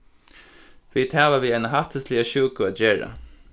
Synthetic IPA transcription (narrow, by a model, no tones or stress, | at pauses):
fiːd̪haːʋaʋiːaɪnaɦaht̪ʰəslɪaɕuːkʊaːt̪̚d͡ʒeːɹa̰